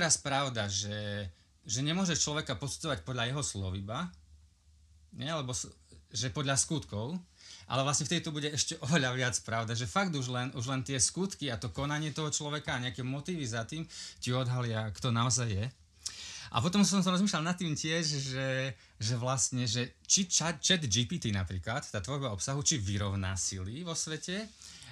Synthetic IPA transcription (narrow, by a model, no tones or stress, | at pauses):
ɾaspɾaʊd̪aʒɛ | ʒɛɲɛmʊɔʒɛt͡ʃlɔʋɛkapɔt͡s̪u̥d͡zɔʋacpɔd̪ʎajɛɦɔslɔ̰ʋiba | ɲɛalɛbɔsʒɛpɔd̪lʎaskut̪kɔʊʔa̰lɛʋlasɲɛft̪ɛd̪it̪ɔbuɟɛɛʃcɛʔɔʋɛʎaʋɪat͡spɾaʊd̪aʒɛfaɡd̪uʒlɛnuʒlɛnt̪ɪɛskut̪kiat̪ɔkɔnaɲɪɛt̪ɔɦɔt͡ʃlɔʋɛkaːɲɛakɛmɔt̪iːʋizat̪iːmciɔd̪ɦalɪakt̪ɔnaɔzajːɛ | ʔa̰pɔt̪ɔmsasɔmtsɔmɾɔzmiʃlalnat̪ːiːmcɪɛʒʒɛ | ʒɛʋlast̪ɲɛʒɛt͡ʃit͡ʃat͡ʃɛd̪d͡ʒipiːt̪inapɾiːklat̪t̪ːaːt̪ʋɔɾbaɔpsaɦut͡ʃiʋiɾɔʊna̰siliʋɔsʋɛcɛ